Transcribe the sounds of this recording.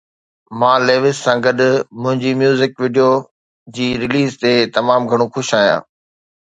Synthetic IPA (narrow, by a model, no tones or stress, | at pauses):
mãːleːʋɪssãːɡɐɗʊmʊ̃ɦɪ̃ɲd͡ʑimjuːzɪkʋiːɖijo | d͡ʑiːɾɪliːzt̪et̪ɐmaːmɡʱɐɽ̃oxʊʃaːɦijã̰ː